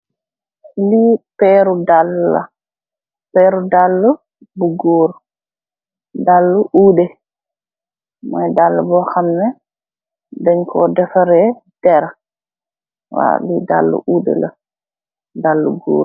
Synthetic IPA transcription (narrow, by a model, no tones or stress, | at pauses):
lipɛɾudalːa̰ | pɛɾudalːu | buɡuːɾ | dalːuʔuːdɛ | mɔjdalːabɔxamnɛ | dɛɲkʰɔdɛfaɾɛ | d̥ɛɾa | wa̰lida̰lːṵʔuːdɛ̰la̰ | dalːuɡṵːɾ